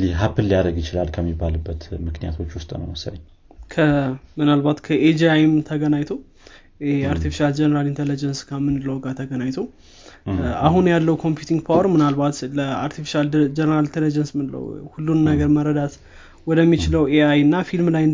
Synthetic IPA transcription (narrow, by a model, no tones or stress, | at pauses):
liɦapʰːɨlːijad̪əɡjɪt͡ʃɪlalkʰəmːibːalɨbːət̪mɨknija̰t̪ʰo̞t͡ʃːwʊst̪ʼnə̰wməsa̰ɲ | kʰəmɨnalbat̪kʰəʔed͡ʒajmt̪ʰəɡənajt̪ʰow | eaɾt̪ʰifiʃald͡ʒɛnəɾalint̪ʰelid͡ʒənskʰəmɨnlowɡat̪ʰəɡənajt̪ʰow | aɦunjalːəwkʰo̞mpjut̪ʰiŋɡpʰawəɾmɨnalbat̪ləaɾt̪ʰifi̥ʃald͡ʒɛnəɾalint̪ʰelid͡ʒənsmɨlə̰whulːunnəɡəɾməɾəd̪at̪ | wɔd̪əmːit͡ʃɪləweajɨnːafilmlajn